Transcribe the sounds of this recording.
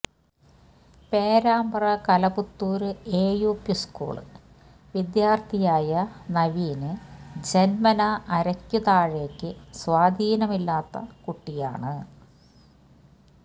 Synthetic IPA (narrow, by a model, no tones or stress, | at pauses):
pe̞ːɾaːmbɐrɐkɐlɐput̪ːuːɾɨeːjuːpjuskṵːɭɨ̰ | ʋid̪jaːrt̪ʰijaːjɐnɐʋiːnɨd͡ʑenmɐnɐʔːɾɐkʲːuðaːɻe̞ːkʲːɨsʋaːd̪ʱiːnɐmilːaːt̪ːɐ̰kuʈːija̰ːɳɨ